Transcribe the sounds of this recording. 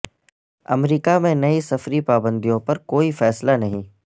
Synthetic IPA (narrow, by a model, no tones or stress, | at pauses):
ɐ̰mɾiːkamẽnɐisɐfɾipaːbə̃nd̪ijõpɐɾkoːifɛːslanɐɦĩː